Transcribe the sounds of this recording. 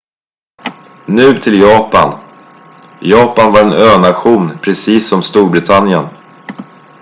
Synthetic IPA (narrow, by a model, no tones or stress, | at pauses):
nʉ̟ːt̪ʰɪljɑːpa̰n | jɑːpanvaɾɛnøːnaɧuːnpʰɾɛsiːsːɔmst̪uːɾbɾɪt̪ʰanjən